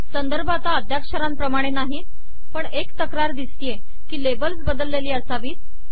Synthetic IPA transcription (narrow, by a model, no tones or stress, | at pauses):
sənd̪əɾbʱat̪aəd̪ʱjakʂəɾãmpɾəmaɽ̃enaɦiːt̪ | pəɳekt̪əkɾaɾd̪ist̪ije | kiːlebəlsbəd̪əlːeliːəsaʋiːt̪